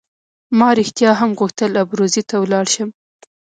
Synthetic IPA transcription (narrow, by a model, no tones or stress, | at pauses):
mɑɾɪxt̪jɑɦamɣuxt̪əlabɾozit̪awlɑɽʃəm